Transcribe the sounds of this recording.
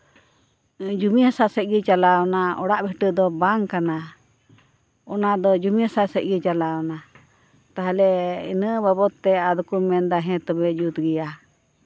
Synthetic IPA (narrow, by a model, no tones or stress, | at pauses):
d͡ʒumihasasɛc̪̚ɡit͡ʃalaɔnaɔ̰ɽaʔbɛʈəd̪ɔbaŋkana | ɔnad̪ɔd͡ʒumiasasɛc̪̚ɡɛt͡ʃalaɔna | t̪aɦalɛḭnəbabɔt̪ːɛad̪ukumːɛnd̪aɦɛ̃t̪ɔbɛʔd͡ʒut̪ɡɛja